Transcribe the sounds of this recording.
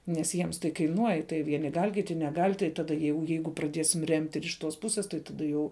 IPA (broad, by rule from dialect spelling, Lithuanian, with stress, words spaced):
nʲɛs ˈjiɛms tɐɪ kɐɪˈnuɔj tɐɪ ˈʋʲiɛnʲɪ ɡɐlʲ ˈkʲɪtʲɪ nʲɛˈɡɐlʲ tɐɪ ˈtɑːdɐ jɛʊ ˈjɛɪɡʊ prɐˈdʲiɛsʲɪm rʲɛmʲtʲ ɪr ɪʃ ˈtoːs ˈpʊsʲeːs tɐɪ ˈtɑːdɐ jɛʊ